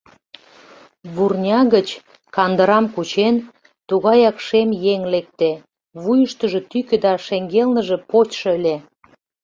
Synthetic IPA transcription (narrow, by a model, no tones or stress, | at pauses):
βurnʲɑɣət͡ɕ | kɑnd̪əɾɑmkut͡ɕen | t̪uɣɑjɑkʃemjeŋlek̚t̪e | βujəʃt̪əʒe̽t̪ykø̆d̪ɑʃeŋɡelnəʒe̽pot͡ɕʃɤəlʲe